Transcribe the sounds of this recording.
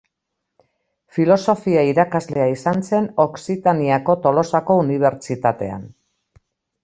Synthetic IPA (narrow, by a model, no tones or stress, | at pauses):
filo̞so̞fiaiɾakazle̞aisanse̞no̞ksit̪aniako̞t̪o̞lo̞sako̞uniβ̞e̞ɾt͡ʃit̪at̪e̞̰a̰n